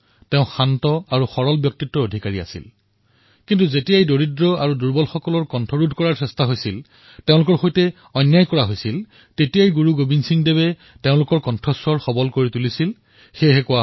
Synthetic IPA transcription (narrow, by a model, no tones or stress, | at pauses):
teʊ̃xantɔaɹuxɔɹɔlbjɔk̚titːɔodʱikaɹia̰sḭl | kintuzetijajdoɹidɹɔaɹuduɹbɔlxɔkɔlɔɹkɔntʰɔɹudʱkɔɹaɹsɛstaɦojsil | teʊ̃lʊkɔɹxojtɛ | ɔnjajkɔɹaɦojsil | tetijajɡuɹuɡobʱinsiŋdeβɛ | teʊ̃lʊkɔɹkɔntʰɔswɔɹxɔbɔlkoɹitulisil | xeɦɛkʊwa